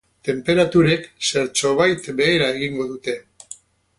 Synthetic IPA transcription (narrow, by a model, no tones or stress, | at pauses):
t̪e̞mpe̞ɾat̪uɾe̞kse̞ɾt͡ʃo̞βajt̪be̞ːɾae̞ɣiŋɡo̞ðut̪e̞